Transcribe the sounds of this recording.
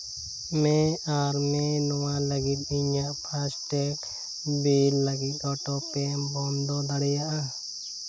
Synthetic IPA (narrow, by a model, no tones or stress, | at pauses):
mɛaɾmɛnɔwaləɡit̪̚iɲaʔpʰasʈɛk | bilːəɡit̪̚ˀɔʈɔpɛmbɔnd̪ɔd̪aɽɛjaʔa